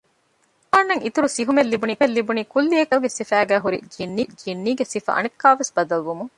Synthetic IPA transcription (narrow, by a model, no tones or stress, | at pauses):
aːnːɐŋit̪uɾusiɦumelːibuniːelːibuniːkulːiekɐlɡesifæːɡæːɦuɾḭd͡ʒinːiːd͡ʒinːiːɡesifɐ̰ʔɐ̰nekːaːʋesbɐd̪ɐlʋumuŋ